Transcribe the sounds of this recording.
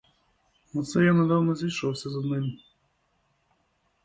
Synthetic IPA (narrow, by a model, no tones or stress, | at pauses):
ɔt̪sɛjanɐd̪awnɔzʲijʃɔwsʲɐzɐd̪nɪmʲ